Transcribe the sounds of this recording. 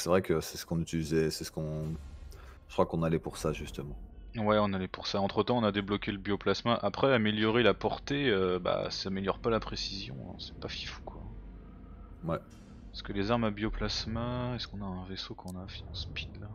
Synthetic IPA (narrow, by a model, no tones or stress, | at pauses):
sɛvʁɛkəsɛsə̥kɔ̃nyt̪ilizɛsɛsə̥kɔ̃ | ʒə̥kχwakɔ̃nalɛpuʁsaʒyst̪əmɑ̃wɛɔ̃nalɛpuʁsaɑ̃t̪χət̪ɑ̃ɔ̃nad̪eblɔkʲeləbjoplasmaʔapχɛameljɔʁelapɔʁt̪eøba̰sameljɔʁpalapχesizjɔ̰̃sɛ̥pafi̥fu̥kwa | wɛ | ɛskəlezaʁmabjoplasmaɛskɔ̃naɛ̃vesokɑ̃ɔ̃nafiɑ̃spid̪la